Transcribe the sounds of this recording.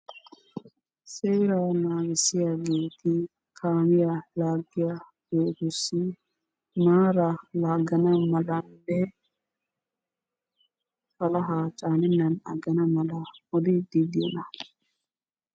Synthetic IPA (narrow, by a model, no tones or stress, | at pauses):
seːɾanaːɡɪsɪjaːɡe̞ːt̪ɪ | kʰaːmɪjalaːɡːɪja | beːt̪ʊsːɪ | maːɾɐlaːɡɐnɐmɐlɐnːɛ | fɐlɐɦaːt͡ʃʼaːnɪnːɐnɐɡɐnɐmɐlɐɔd̪ɪd̪id̪ɪjɔnɐ